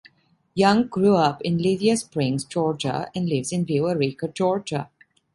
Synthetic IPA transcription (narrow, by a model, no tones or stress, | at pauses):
jʌ̃ŋɡɾuːʌpɪ̃nlɪdiəspɾɪ̃ŋzd͡ʒɔːɾd͡ʒə̰ɛ̃nɖlɪʋzɪ̃nbeʋəɾikəd͡ʒɔːɾd͡ʒə̰